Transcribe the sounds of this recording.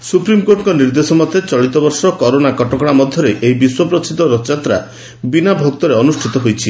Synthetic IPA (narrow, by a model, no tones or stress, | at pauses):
supɾimkoɾʈɔŋkɔniɾd̪esɔmɔd̪ʱjet͡ʃɔɭit̪ɔbɔɾsɔkɔɾonakɔʈɔkɔɽ̃amɔd̪ʱjɔɾeʔeibiswɔpɾɔt͡ʃʰit̪ɔɾɔt͡ʃat̪ɾa̰ | binabʱok̚t̪ɔɾeɔnusʈʰit̪ɔɦojt͡ʃʰi